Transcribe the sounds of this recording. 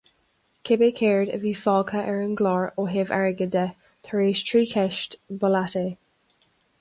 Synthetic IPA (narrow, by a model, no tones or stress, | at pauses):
kʰɪbekʰeɹdə̰viːfɔːkʰəʔɛɹənɡlɔɹoɦevɛ̰ɹəɡədə | t̪ʰəɹeːstʰɹiːkʰɛʃtbəlate